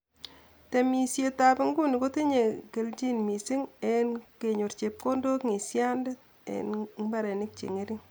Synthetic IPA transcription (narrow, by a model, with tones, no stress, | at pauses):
te˨mi˨sje˨ta˨bɪ˦ŋɡu˦ni˨ko˦te˦ɲe˨ke˨lt͡ʃi˦nmi˨si˦ŋe˦nke˨ɲo˨ɾt͡ʃe˨p̚ko˦ndo˦kŋe˨sja˦nde˦t | ḛnba˦ɾe˨nɪ˦k̚t͡ʃḛ˨ŋe˦ɾi˦ŋ